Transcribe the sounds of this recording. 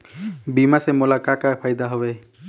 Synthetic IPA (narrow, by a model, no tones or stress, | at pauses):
bimasemolakakapʰajd̪aɦɔbe